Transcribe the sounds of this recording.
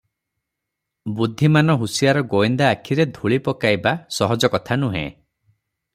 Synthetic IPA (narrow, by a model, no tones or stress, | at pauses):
bud̪ʱːimanɔɦusijaɾɔɡoind̪aːkʰiɾed̪ʱuɭipɔkajbasɔɦɔd͡ʒɔkɔt̪ʰanuɦḛ̃